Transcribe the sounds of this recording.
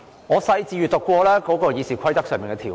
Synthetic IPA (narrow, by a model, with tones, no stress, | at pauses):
ŋɔː˨˧sɐ˧jt͡siː˧ɥy˨t̪ʊ˨kːʷɔː˧lɛː˥kɔː˨˥kɔː˧jiː˨˧siː˨˩kʷʰɐ˥jt̪ɐ˥k̚sœː˨ŋmiː˨˩ŋkɛ˧t̪ʰiː˨˩